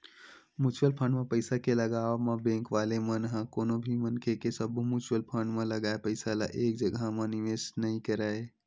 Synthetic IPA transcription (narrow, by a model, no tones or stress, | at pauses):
mut͡ʃwəlpʰəɳɖmẽpəɪsakeləɡamebẽŋkʋalemənɦãkonobʱimənkʰekesəbʱmut͡ʃwəlpʰəɳɖmẽləɡaepəɪsala̰ʔek̚d͡ʒəɡʱamə̃niʋesnəĩkəɾae